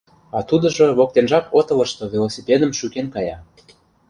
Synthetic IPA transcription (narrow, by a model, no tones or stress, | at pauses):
ɑt̪ud̪ə̆ʒoβok̚t̪enʒɑkot̪ə̆lə̆ʃt̪ovʲelosʲipʲed̪əmʃykenkɑjɑ